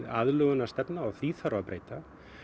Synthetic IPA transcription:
ðaðlœːɣʏnast̪ɛpnaɔɣθviθaɾaðpɾeːjt̪a

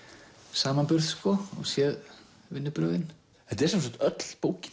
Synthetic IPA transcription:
saːmanpʏɾð̥skɔɔ̰ɣsjɛð | vɪnːʏpɾœ̰vɪn | hɛt̪ɛɾsɛmsakt̪œt̪l̥poːwcɪ̥

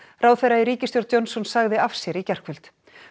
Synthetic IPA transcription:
raːwðθɛjɾːaiɾiːcɪst̪jowɾd̪jownsɔnsaɣðɪafsjɛɾicɛr̥kvʏlt̪

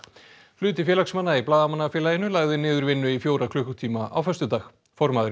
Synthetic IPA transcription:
flʏːt̪̬ɪfjɛlaksmanːaiplaːðamanːafjɛlajɪnʏlaɣðɪnɪːðʏɾvɪnːʏifjowɾakʰlʏkʏt̪ʰiːmaa̰wfɛst̪ʏt̪aːx | fɔɾmaðʏɾ

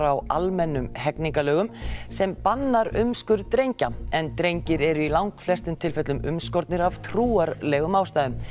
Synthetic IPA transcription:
ɾawʔa̰lmɛnːʏmhɛkniŋkalœːɣʏmsɛmpanːaɾʏmskʏɾðt̪ɾejɲcaɛnt̪ɾejɲcɪɾɛɾʏilawŋkflɛst̪ʏmt̪ʰɪlfɛt̪lʏmʏmskɔɾt̪nɪɾav̥t̪ʰɾuːaɾlɛːɣʏmaːwst̪aːðʏm

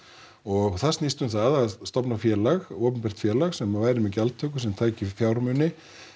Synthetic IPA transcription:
ɔɣθast̪nist̪ʏmθaðaðst̪ɔpnafjɛːlaɣoːpʏmpɛr̥t̪fjɛːlaɣsɛmavaːjɾɪmɛcalt̪ʰœːkʏsɛmt̪ʰaːjcɪfjawɾmʏnɪ

